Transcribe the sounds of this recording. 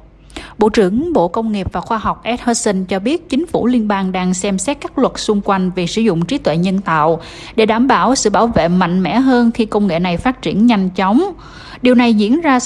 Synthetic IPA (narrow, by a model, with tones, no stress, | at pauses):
ɓo̰˧˨t͡ɕɨ˧˩əŋɓo̰˧˨kə˧wŋ͡mŋi˨˩əp̚vaː˨˩xwaː˧ɦwk͡p̚ʔɛ˦˥t̚həː˧sə˧nt͡ɕɔ˧ɓi˦˥ət̚t͡ɕï˨˦ŋ̟fu˧˩li˧ənɓaː˧ŋɗaː˧ŋsɛ˧msɛ˦˥t̚kaː˦˥k̚lwə˨˩t̚sʊ˧ŋ͡mkwa˧jŋ̟vi˨˩sɨ˧˩zʊ̰˧˨ŋ͡mt͡ɕi˨˦t̪wḛ˧˨ɲə˧nt̪a̰ː˧˨w | ɗe˧˩ɗaː˧˩mɓaː˧˩wsɨ̰˧˨ɓaː˧˩wvḛ˧˨ma̰˧˨jŋ̟mɛ̰˧˥ɦəː˧nxi˧kə˧wŋ͡mŋḛ˧˨na˨˩jfaː˦˥t̚t͡ɕi˧˩ənɲa˧jŋ̟t͡ɕɔ˨˦wŋ͡m | ɗi˨˩əwna˨˩jzḭ˧˥ənzaː˧